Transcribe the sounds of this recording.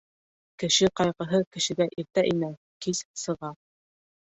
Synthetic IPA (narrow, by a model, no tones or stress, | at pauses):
kɘ̆ʃɘqɑjqɤ̆ɦɤkɘ̆ʃɘ̆ɡæʔiɾt̪æʔinæ | kizsɤ̆ʁɑ